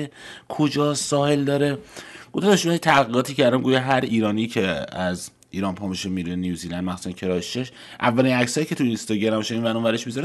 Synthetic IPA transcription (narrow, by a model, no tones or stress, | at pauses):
ekʰod͡ʒɒːsɒːhe̞ld̪ɒːɾeɡ̥ofd̪d̪oʃænit̪ʰæɣiɡɒːt̪ʰiːcʰæɾd̪æmɡuːjeɦæɾiːɾɒːniːcʰeæz | iːɾɒːnpʰɒmiʃemiɾeniuzid̪ænmæxsu̥sæncʰeɾɒːeʃt͡ʃːeʃ | ʔævːælinæksɒːiːcʰe̞t̪uinst̪ɒɟeɾæmbɔʃeinvænumvæɾeʃmizɒɾe